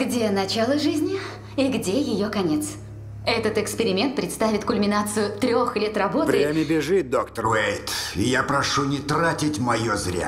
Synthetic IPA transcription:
ɡdʲenɐt͡ɕalˠəʐɨzʲnʲɪ | iɡdʲejɪjokɐnʲet̪s | ɛt̪ət̪ɨkspʲɪɾʲɪmʲe̞nt̪̚pɾʲɪt̪st̪avʲɪt̪kʊlʲmʲɪnat̪sɨjʊt̪ɾʲo̞xlʲet̪rɐbo̞tvɨɾʲemʲɪbʲɪʐɨt̪̚d̪okt̪əejt̪ɪjapɾɐʂunʲɪt̪ɾatʲɪtʲmɐjozɾʲa̰

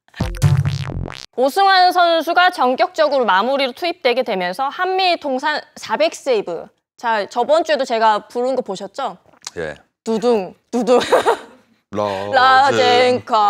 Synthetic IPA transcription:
osʰɯŋɦansʰʌnsʰuɡat͡ɕʌŋɡjʌk̚t͡ɕ͈ʌɡɯɾomamuɾiɾotʰuip̚t͈we̞ɡe̞dwe̞mjʌnsʰʌhamːitʰoŋsʰansʰabe̞k̚s͈eibɯ̰ | t͡ɕaɭt͡ɕʌbʌnt͡ɕ͈ue̞dot͡ɕe̞ɡapuɾɯnɡʌpoɕʰʌt̚t͡ɕ͈o | jḛ | tuduŋtuduŋ | lad͡ʑeŋkʰa

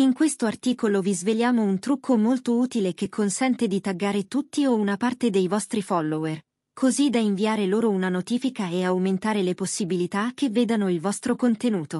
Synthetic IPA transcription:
iŋkwest̪oart̪iːkolovizveljaːmount̪ɾukʰːomolt̪ouːt̪ilek̟ekʰːonsɛnt̪ed̪it̪aɡːaːɾet̪ut̪ːiounapart̪ed̪ejvɔst̪ɾifɔlːower | kʰozid̪aiɱviaːɾeloːɾounanot̪iːfikaeawment̪aːɾeleposːibilit̪ak̟ːevːeːd̪anoilvɔst̪ɾokont̪enuːt̪o

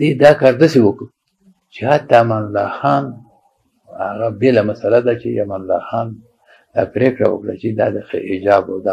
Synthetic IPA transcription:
d̪ed̪ɑkɑɾd̪əsewəkə | t͡ʃehat̪ːamanlːɑ̰xɑn | aɣabelamasalad̪at͡ʃḛa̰manlːɑ̰xɑn | d̪̥ɑ̰pɾekɽa̰wə̰kɽat͡ʃed̪ɑd̪əxɪd͡ʒɑbad̪a

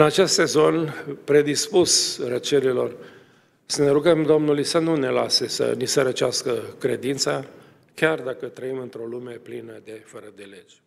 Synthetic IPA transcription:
ɨnat͡ʃe̞st̪se̞zo̞npɾe̞d̪ispusrət͡ʃeɾilo̞r | səne̞ɾuɡəmd̪o̞mnulujsənune̞la̰sesə̰nisəɾət͡ʃeaskəkɾe̞d̪int̪sa | kʲard̪akət̪ɾəimɨnt̪ɾo̞lume̞plinəd̪e̞fəɾəd̪e̞le̞d͡ʒʲ

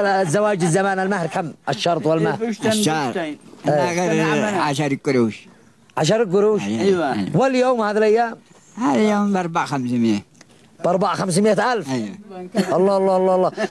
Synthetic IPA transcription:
zːawaːd͡ʒɪzːamaːnalmahɾkamːʔaʃːɑɾˤt̪ˤwalmahɾaʃaɾeaɣaɾʕaʃ̬aɾikʼːʊɾuʃ | ʕaʃ̬ɑɾɪk̬ːʊɾuːʃwaljoːmhaːðilʔajːaːm | haðajoːmbɑɾˤbaʕxamsmɪja | bɑɾˤbaʕxams̬mɪʔat̪ʔalf | ʔɑlˤːɑːɑlˤːɑːhɑlˤːɑːhlˤːɑː

